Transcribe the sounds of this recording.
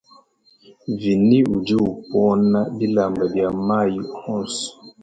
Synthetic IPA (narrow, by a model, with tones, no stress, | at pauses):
vi˨ni˦u˨d͡ʒi˦u˨pɔ˦na˦bi˦la˨mba˨bja˨ma˦˨ji˨hɔ˦˨sɔ̥˨